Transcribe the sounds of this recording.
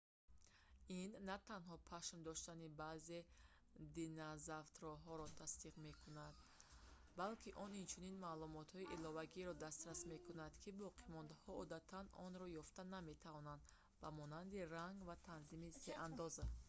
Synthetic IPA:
inːat̪ʰanɦɔpʰaʃmd̪ɔʃt̪anibaze̞ | d̪inazaft̪ɾɔɦɔɾɔt̪ʰasd̪iqme̞kʰunad̪ | balkʰiʔɔnint͡ʃʰuninmaːlumɔt̪hɔiʔilɔvaɡiɾɔd̪ast̪ɾasme̞kunad̪kʰibɔqʰimɔnd̪ahɔɔd̪at̪ʰanɔnɾɔjɔft̪aname̞t̪ʰavɔnand̪ | bamɔnand̪iɾaŋɡvat̪ʰanzimise̞ʔand̪ɔza

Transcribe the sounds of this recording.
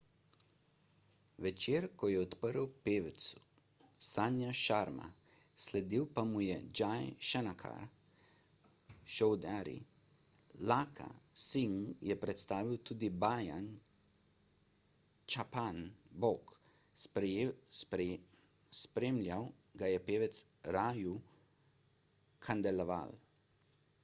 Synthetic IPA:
ʋɛt͡ʃeːɾkɔjɛɔt̪pəɾwpeːʋɛt̪su̥ | sanjaʃaɾma̰ | slɛd̪iwpamujɛd͡ʒajʃɛnakʰa̰ɾ | ʃɔwd̪aɾḭ | lakʰa̰siŋjɛpɾɛt̪st̪aːʋiwt̪uːd̪ibaːjan | t͡ʃapanbok | s | spɾeːmlʲjaw | ɡajɛpeːʋɛt̪sɾaːju | kʰand̪ɛlɔʋa̰l

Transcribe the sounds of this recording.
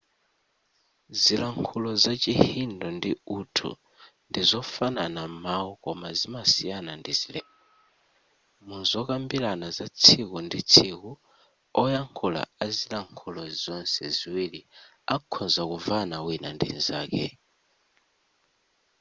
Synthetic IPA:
zilaŋkʰulɔzat͡ʃʼihindɔndiutʰṵ | ndizɔfananamawɔkɔmazimasijanandizilɛ | muzɔk̬ʼambilanazat͡sʰikundit͡sʰiku | ɔjaŋkʰula̰azilaŋkʰulɔzɔnsɛziwili | akʰɔzakuvanawinandḭnzaːkɛ̰

